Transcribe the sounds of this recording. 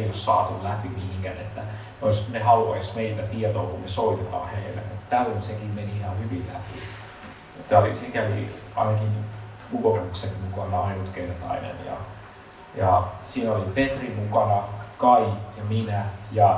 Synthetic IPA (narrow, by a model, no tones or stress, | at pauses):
eiossɑ̰ːt̪ullæpimihiŋkænet̪ːæ | eoisnehɑluɑismeilt̪æt̪iɛt̪o̰ːkunnesoit̪et̪ɑ̰ːhehḛlːḛkmut̪t̪ælːonsekimmeniihɑnhyʋillæ̰pḭ | t̪ːæolḭsikæʋḭ | ɑ̰inɑkin | ukomukseŋmukɑnɑɑinut̪keinet̪ɑ̰inḛnjɑ̰ | jɑsiːnolipet̪rimukɑnɑkɑijɑminæjɑ